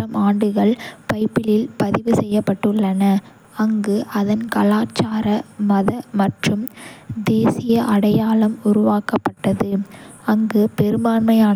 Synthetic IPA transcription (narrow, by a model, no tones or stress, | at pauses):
ɐmaːɳɖɯɣɐɭpɐɪpːɪlɪlpɐðɪʋɯsɛjːɐpːɐʈːɯɭːɐnɐ | ɐŋɡɯʔɐðɐnkɐlaːt͡ʃːaːɾɐmɐðɐmɐʈrɯmd̪eːsɪjɐʔɐɽɐjaːlɐmʊɾʊʋaːkɐpːɐʈːɐðɯɐŋɡɯpɛɾɯmbaːɳmɐɪaː